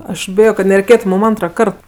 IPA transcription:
ɐʃ ˈbʲɪjoː kɐt nʲɛrʲɛɪˈkʲeːtʊ mʊm ˈɐntrɐˌkɐrt

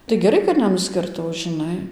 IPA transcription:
tɐɪ ɡʲɛˈrɐɪ kɐt nʲɛˌnʊsʲkʲɪrˈtɐʊ ʒʲɪˈnɐɪ

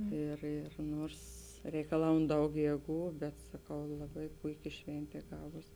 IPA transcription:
ˈɪr ɪr ˈnuɔrs rʲɛɪkɐˈlˠɐʊn ˈdɐʊk ˈjeːˌɡuː bʲɛt sɐˈkɐʊ lˠɐˈbɐɪ ˈpʊɪˌkʲɪ ˈʃʲʋʲɛnʲtʲeː ˈɡɑːʋoːs

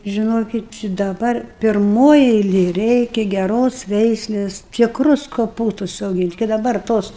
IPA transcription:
ʒʲɪˈnoːkʲɪt t͡ʃʲɪ dɐˈbɐr pʲɪrˈmoːj ɛɪˈlʲeːj ˈrʲɛɪkʲɛ ɡʲɛˈroːs ˈʋʲɛɪsʲlʲeːs tʲɪkˈrʊs koːˈpuːstʊs ɐʊˈɡʲiːnt kɐɪ dɐˈbɐr ˈtoːs

